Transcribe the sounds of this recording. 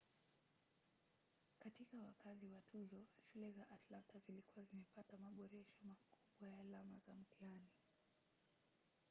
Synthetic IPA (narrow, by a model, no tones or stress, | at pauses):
katikawakaziwatʰuzɔʃulɛzaʔatlantazilikuwazimɛpatamaɓɔɾɛʃɔmakuɓwajaːlamazam̩tiani